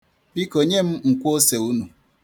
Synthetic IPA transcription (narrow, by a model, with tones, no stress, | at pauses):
bi˦ko˨ɲe˦m̩˦ŋ̩˨kʷo˦se˨u˦nu˨